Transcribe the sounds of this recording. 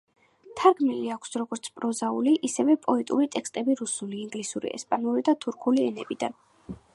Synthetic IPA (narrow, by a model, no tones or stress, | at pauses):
t̪ʰaɾɡmiliakʷʰsɾɔɡɔɾt̪sʰpʼɾɔzauliʔisɛvɛpʼɔɛt̪ʼuɾit̪ʼɛkst̪ʼɛbiɾusuliːŋɡlisuɾḭʔɛ̰spʼanuɾid̪at̪ʰuɾkʰuliɛnɛbid̪a̰n